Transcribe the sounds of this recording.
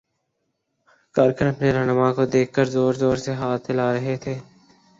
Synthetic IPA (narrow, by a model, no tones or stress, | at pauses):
kaːɾkənɐpneɾɐɦnəmakod̪eːk̚ʰkəɾzoːɾzoːɾseɦaːt̪̚ʰːɪlaːɾɐɦet̪ʰeː